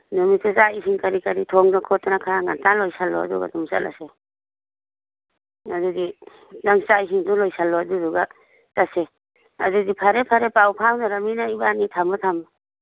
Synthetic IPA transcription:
nɔmisezaisiŋkaɾikaɾitʰɔŋnɔkʰɔtanakʰaŋantalɔjsalːɔ̰a̰dɔ̰ɡa̰dumsa̰lʔa̰se | adudi | naŋsaisiŋdɔŋlɔjsalːɔadudɔɡa | tase | a̰dudipʰaɾepʰaɾepawpʰawnaɾaminaibanitʰamɔtʰam

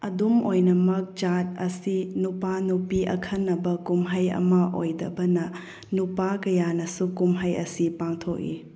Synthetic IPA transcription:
ɐdumojnɐmɐk̚t͡ʃat̚ɐsinupanupiɐ̰kʰɐnːɐbɐkumɦajɐ̰mɐʔojdɐ̰bɐnɐ | nupakɐjanɐsukumɦajɐ̰sipaŋtʰok̚ḭ

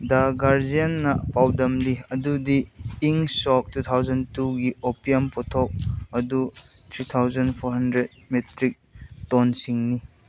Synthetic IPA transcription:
daɡaɾd͡ʒijanːɐpawdɐmliɐdudiːŋsɔk̚tut̪ʰawzɐntuɡiopiampɔtʰɔk̚ɐdu | t̪ʰɾit̪ʰawzɐnpʰɔɾɦɐndɾed̚metɾik̚tɔnsiŋni

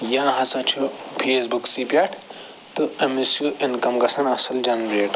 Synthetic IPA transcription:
jãːɦɐsɐ̃t͡ʃʰupʰeːsbuksipʲaʈʰ | t̪ɨɐmisjuʔinkɐmɡɐsɐnɐsɐld͡ʒɐnɾeːʈ

